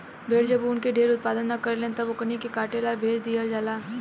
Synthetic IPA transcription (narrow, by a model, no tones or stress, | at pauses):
bʱeːɾd͡ʒəbuːnkeɖʱeːɾʊt̪̚paːd̪ənːɐkɐɾlẽːt̪ɐʋokɐnikekaːʈelaːbʱeːd͡ʒd̪iəld͡ʒaːlaː